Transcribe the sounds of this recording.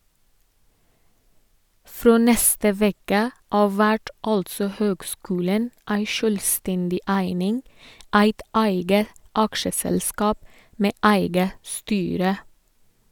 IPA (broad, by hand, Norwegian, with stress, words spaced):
ˈfɾoː ˈnɛstə ˈʋɛkə ˈɑːʋ ˈʋæʈ ˈɑltsɔ ˈhøːɡˌskʉːlən ˈæɪ ˈʃøːlˌstɛndɪ ˈæɪnɪŋ ˈæɪt ˈæɪɡə ˈɑkʃəsɛlˌskɑːp ˈmeː ˈæɪɡə ˈstyːɾə